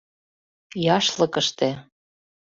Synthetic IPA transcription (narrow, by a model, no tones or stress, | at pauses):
jɑʃlɤ̆kə̆ʃt̪ĕ